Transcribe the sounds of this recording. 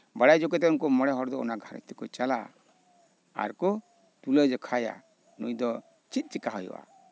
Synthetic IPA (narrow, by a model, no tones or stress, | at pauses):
baɽajd͡ʒɔkɛt̪ɛunkɔmɔɽɛɦɔɾd̪ɔɔ̰naɡʱaɾɔ̰t̪ikɔt͡ʃala̰ | a̰ɾkɔ | t̪uləd͡ʒɔkʰaja̰ | nujd̪ɔ | t͡ʃit̪̚ˀt͡ʃikaɦɔj̰wʔa̰